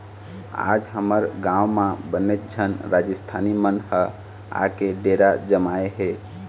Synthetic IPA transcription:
a̰d͡ʒɦəməɾɡãwmãbənet̪̚d͡ʒʱənɾad͡ʒəst̪ʰanimənhə | a̰keɖeɾad͡ʒəmaeɦe

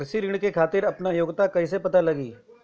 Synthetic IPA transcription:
ɾsiɾɪɽ̃kekʰaːt̪ɪɾɐpnajoːɡt̪akɐɦis̬epɐt̪alɐɡiː

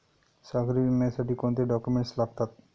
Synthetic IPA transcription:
saɡɾimɛsaɖikõnt̪eɖɔkumeɳʈslab̚t̪at̪̚

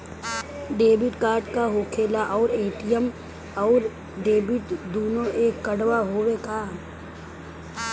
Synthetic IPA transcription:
ɖeːbɪʈkaːɾɖkaɦoːkʰeːlaʔɔːɾeːʈijəm | ɔːɾ | ɖeːbɪʈd̪oːnoʔeːkːəɽʋaɦoːʋekaːm

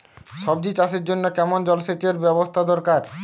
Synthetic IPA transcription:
ʃɔbd͡ʑit͡ɕaʃeɾd͡ʑonːokɛmond͡ʑɔlʃet͡ɕeɾbɛbost̪ʰad̪ɔɾkaɾ

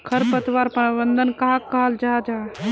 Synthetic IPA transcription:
kʰəɾpət̪ʋaɾpəɾbənd̪ʱənkaɦakəɦəld͡ʒad͡ʒa

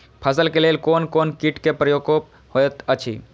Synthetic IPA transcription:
pʰəsəlkelelkoːnkoːnkiʈkepɾəjoːkop | hojət̪ət͡ʃʰḭ

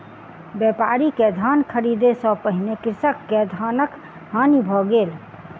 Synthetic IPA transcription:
bjɛpaɾiked̪ʱankʰəɾid̪esə̃pəɦinekɾsəkːed̪ʱanək | ɦanibʱɔɡel

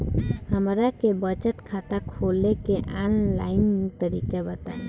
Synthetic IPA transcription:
həmɾakebət͡ʃət̪kʰat̪akʰolekeʔanla̰int̪əɾikebət̪a̰e

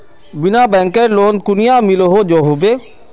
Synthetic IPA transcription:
bɪnãːbɛ̃ːŋkəɾloːnkʊnɪjãːmɪloːɦoːd͡ʒoːɦoːbeː

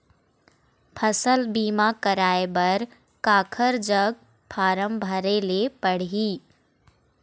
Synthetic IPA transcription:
pʰəsəlbiːmakəɾaːebɐɾ | kaːkʰəɾd͡ʒəɡ̚ | pʰaːɾəmbʱəɾelepəɽ̤iː

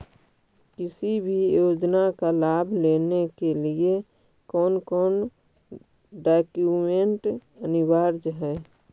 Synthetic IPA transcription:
kɪsibʱijoːd͡ʒnakalaːbʱleːnekelie | kɔːnkɔːn | ɖaːkjumeɳʈənɪwaɾd͡ʒɦɛː

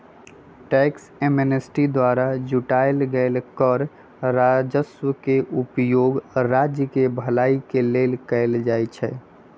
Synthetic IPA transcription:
ʈɛksemenesʈid̪waɾad͡ʒuʈaelɡəɪlkəɾ | ɾad͡ʒəswəkeʔupjoɡɾad͡ʒjəkebʱəlaikelelkəɪld͡ʒajt͡ʃʰɛ

